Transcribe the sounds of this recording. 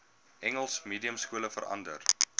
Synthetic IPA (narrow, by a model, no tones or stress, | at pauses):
ʔɛŋəlˠsmiːdiəmskuələfəɾɐ̰ndər